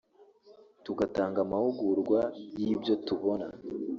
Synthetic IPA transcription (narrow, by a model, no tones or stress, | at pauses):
tuɡataːŋɡamahuɡuɾɡwajiːbjo̞tuβo̞na̰